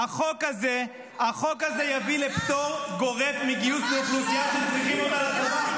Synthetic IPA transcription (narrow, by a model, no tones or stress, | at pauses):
aχokaze | haχo̞kaze̞javilept̪o̞mɡo̞ʁevmiɡijusletnukiaʃet͡sʁiχimot̪alatot